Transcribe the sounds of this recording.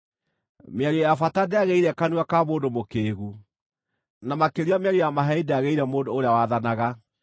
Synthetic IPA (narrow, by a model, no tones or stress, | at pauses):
meaɾojafatadeaɣeiɾɛkanuakamoːdomokeːɣu | namakeɾiameɛɾojamaɦɛideaɣeiɾɛmoːndoːɾeawaðanaɣa